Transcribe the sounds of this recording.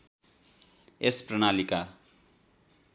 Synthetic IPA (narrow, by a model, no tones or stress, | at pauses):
esprʌnalika